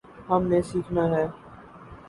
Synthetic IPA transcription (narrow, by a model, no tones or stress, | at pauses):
hɐmnesiːkʰnaɦɛː